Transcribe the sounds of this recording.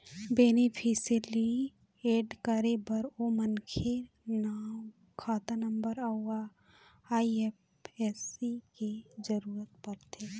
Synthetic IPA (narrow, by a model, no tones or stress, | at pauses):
beːnipʰisəli | eːɖkəɾebɐɾomənkʰe | naːm | kʰaːt̪anəmbəɾaua | aːiep | esiked͡ʒəɾuːɾət̪̚pɐɾt̪ʰeː